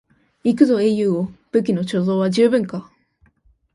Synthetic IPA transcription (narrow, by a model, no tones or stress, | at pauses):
ikɯ̟zo̞e̞ːjɯ̟ːob̥ɯ̟k̬ʲino̞t͡ɕo̞zo̞ːβaʑɨːbɯ̟̃ŋka